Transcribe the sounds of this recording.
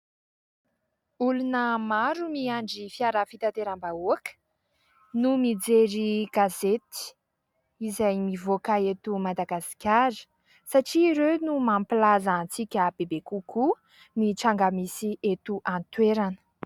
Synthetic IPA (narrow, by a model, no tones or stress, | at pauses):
ulunəmaɾumiaɳɖ͡ʐifiaɾafit̪at̪eɾambauakə̥ | numid͡zeɾiɡ̥azet̪i̥ | izajmivokaet̪umad̪aɡasi̥kʲaɾə̥ | saʈ͡ʂiɾenumampilazant͡sikʲəbebekukʰu | niʈ͡ʂaŋɡamisiʔet̪uʔant̪weɾanə̥